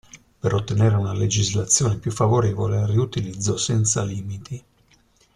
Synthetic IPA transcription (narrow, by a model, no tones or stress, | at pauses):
peɾʔot̪ːeneːɾeunaled͡ʒizlat̪sːjoːnepjufːavoɾeːvoleriut̪ilid̪zːosɛnt̪saliːmit̪i